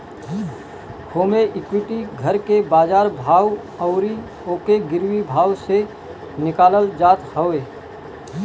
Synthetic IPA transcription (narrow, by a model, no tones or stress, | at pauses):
hoːmeʔɪkwɪʈiɡʱəɾkebaːzaːɾbʱaːw | əʊɾi | oːkeɡɪɾwibʱaːwse | nɪkaːləld͡ʒaːt̪həeː